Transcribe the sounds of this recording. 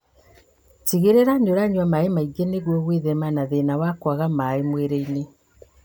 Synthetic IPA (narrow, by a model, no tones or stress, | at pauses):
tiɣeɾeɾaɲoɾaɲwamaemaiɡeneɣwoβweðemanaðenawakwaɣamaemweɾeine